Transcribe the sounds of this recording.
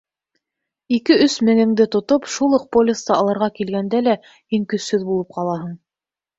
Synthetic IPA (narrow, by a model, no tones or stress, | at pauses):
ikɘɵsmɘ̆ŋɘ̆ŋd̪ɘt̪ŏt̪opʃulˠɤq̚polʲɪst̪ɑɑlˠɤ̆ɾʁɑkilɡænd̪ælæ | hiŋkɵ̆sːɵðbulˠɤp̚qɑlˠɑɦɤɴ